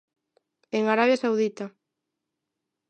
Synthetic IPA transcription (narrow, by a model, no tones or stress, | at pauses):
eŋaɾaβjasawðit̪a